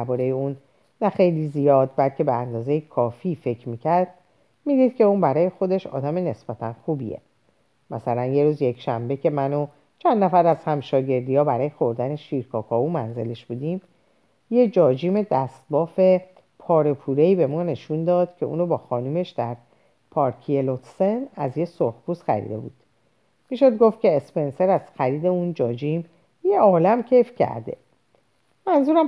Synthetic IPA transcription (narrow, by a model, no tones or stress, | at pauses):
æɾbɒːɾejeuːnː | æxe̞jlizijɒːd̪̚bælcʰe̞beænd̪ɒːze̞jekʰɒːfiːfe̞cʰɾmiːcʰæɾd̪̥ | miːd̪iːd̪̥̚cʰe̞uːnbæɾɒːje̞xo̞d̪e̞ʃɒ̰ːd̪æme̞ne̞sb̥æt̪ʰænxubḭjḛ | mæsælænje̞ɾuːzje̞cʃæ̰mbe̞cʰe̞mæno | t͡ʃʰænd̪ːæfæɾæz̥hæmʃɒːɟe̞ɾd̪ijɒːbæɾɒːje̞xo̞ɾd̪æne̞ʃiːɾkʰɒːkʰɒːumænze̞le̞ʃb̥ud̪iːm | je̞d͡ʒɒːd͡ʒiːme̞d̪æst̪̚bɒːfe̞ | pʰɒːɾe̞pʰuɾeiːbe̞mɒːne̞ʃund̪ɒːd̪̥cʰe̞̰ṵːnobɒːxɒːnume̞ʃd̪æ̰ɾ | pʰɒːɾkʰielot̪senæzjesohpuːsxæ̰ɾḭd̪e̞̰buːd̪̥ | miːʃod̪ɡo̞ft̪̚cʰe̞ːspe̞nse̞ɾæz̥xæɾiːd̪e̞und͡ʒɒːd͡ʒim | jeɒːlæmcʰe̞jfcʰæ̰ɾd̪e̞̰ | mænzuːɾæm